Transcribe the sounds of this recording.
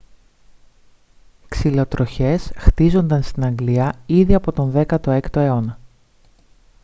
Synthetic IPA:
ksilo̞t̪ɾoçe̞sxt̪izo̞nd̪ɐnst̪inɐŋɡliɐiðiɐpo̞t̪o̞nðe̞kɐt̪o̞e̞kt̪o̞e̞o̞nɐ

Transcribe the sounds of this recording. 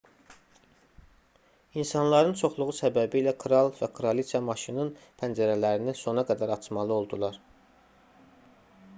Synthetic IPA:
insɑnlˠɑɾɯnt͡ʃʰo̞χlˠuʁusæbæbiilækʰɾɑlˠvækʰɾolisʰɑmɑʃinɯnpʰænd͡ʒæɾælæɾiniso̞nɑɡæd̪æɾɑt͡ʃʰmɑlˠɯo̞lˠd̪ulˠɑɾ

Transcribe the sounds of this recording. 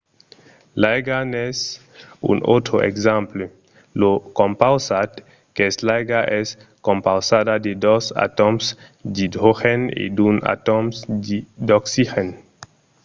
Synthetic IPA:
lajɡanɛs | ṵnʔot̪ɾoʔḛkzample | lokõmpawsat̪ | keslajɡaʔɛskompawsad̪ad̪ed̪osa̰t̪omsd̪id̪ɾoxenḛd̪una̰t̪omsd̪id̪oksixen

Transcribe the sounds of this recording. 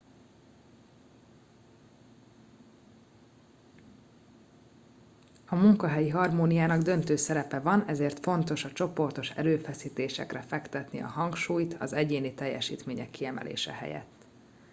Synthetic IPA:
ɒmuŋkɒɦɛjiɦɒrmoːnijaːnɒɡd̪ø̞nt̪øːsɛɾɛpɛvɒnɛzeːrt̪fo̞nt̪o̞ʃɒt͡ʃo̞po̞rt̪o̞ʃɛ̰ɾøːfɛsiːt̪eːʃɛ̰krɛfɛkt̪ɛt̪nḭɒ̰ɦɒŋkʃuːjt̪ɒ̰zɛɟeːnit̪ɛjːɛʃḭːt̪meːɲɛkːiɛmɛ̰lʔḛːʃɛ̰hɛ̰jɛ̰t̪ː

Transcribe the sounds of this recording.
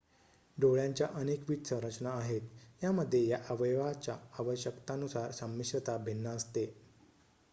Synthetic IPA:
ɖoɭjaɲt͡ɕjaʔənekʋit̪sə̃ɾət͡ɕnaːɦet̪jaməd̪ʱːjejaʔəʋəjʋat͡ɕaːʋəɕjəkt̪anusaɾsəmːiɕət̪abʱenːəəst̪e

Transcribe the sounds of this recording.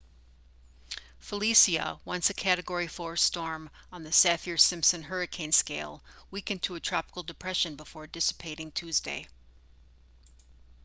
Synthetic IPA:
fəlisiɨ̰wʌ̃nsɨkʰæɾɨɡɔɹifɔɹstɔɹmə̃nðɨsæfɪɹsɪ̃mpsɨ̃nɦɜ˞ɨkʰẽɪ̃nskeɪlˠwikɨ̃ntʰɨɨtʰɹ̥ɑpə̥kl̩ˠdɨpʰɹ̥ɛʃɨ̃nbəfɔɹdɪsə̥pʰeɪɾɪ̃ŋtʰʉzdḛɪ

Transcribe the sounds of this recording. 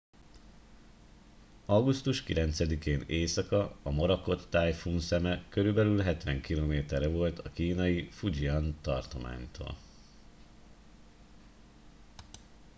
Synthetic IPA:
ɒɡust̪uʃkilɛnt̪sɛd̪ikeːneːsɒkɒɒmɒɾɒko̞t̪ːaːjfuːnsɛmɛkø̞ɾybɛlylɦɛt̪ʋɛŋkiloːmeːt̪ɛɾɛvo̞lt̪ʰɒkiːnɒjifud͡ʒiɒnt̪ɒ̰rt̪o̞ma̰ːɲt̪ʰo̰ːl

